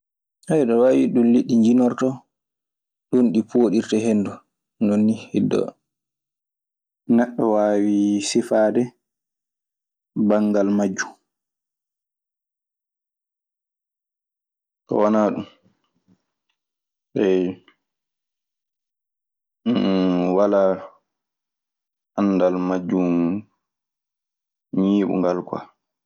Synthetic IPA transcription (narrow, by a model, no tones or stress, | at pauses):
hɛjɗɔwaːwiɗunliɗːiɲd͡ʒinɔɾtɔ | ɗunɗipoɗiɾtaɦenːdu | nonːihɛdːɔ̰ | nɛɗːɔwawisifadɛ | baŋɡalmad͡ʒːu | tɔ̰wanaːɗum | ɓɛj | wala | anːdalmad͡ʒːu | ɲiːɓṵŋɡalka̰